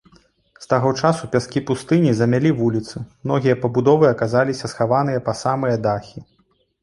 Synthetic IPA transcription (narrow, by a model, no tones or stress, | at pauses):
st̪aɣɔt͡ʂasupʲaskʲipust̪ɨnʲizɐmʲalʲivulʲit̪sɨmnɔɣʲijɐpɐbud̪ɔvɨɐkazalʲisʲɐsxavan̪ɨjɐpɐsamɨjɐd̪axʲi